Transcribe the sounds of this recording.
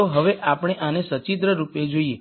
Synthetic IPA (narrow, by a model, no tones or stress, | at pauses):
oɦəʋeʔapɽ̃eʔanesət͡ʃit̪ɾəɾuped͡ʒoie